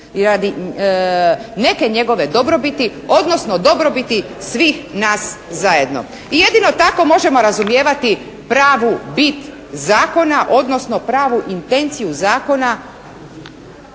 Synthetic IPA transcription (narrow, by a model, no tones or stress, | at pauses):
iɾad̪i | ne̞ke̞ɲe̞ɡo̞ʋe̞d̪o̞bɾo̞bit̪io̞d̪no̞sno̞d̪o̞bɾo̞bit̪i | sʋiːxnaːszaje̞d̪no̰ | ije̞d̪ino̞t̪ako̞mo̞ʒe̞mo̞ɾazumje̞ːʋat̪i | pɾaːʋubit̪ | zaːko̞naʔo̞d̪no̞sno̞pɾaːʋuʔint̪e̞nt̪sijuzaːko̞na